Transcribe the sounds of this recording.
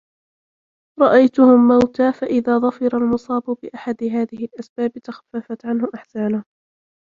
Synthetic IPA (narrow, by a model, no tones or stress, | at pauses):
ɾˤɑʔajt̪ʊhʊmːawt̪aːfaʔɪðaːðˤɑfɑɾalmʊsˤɑːbʊbɪʔaħad̪ɦaːðɪhɪlʔasbaːbɪt̪axḁfːafat̪ʕanhʊʔaħsaːnʊh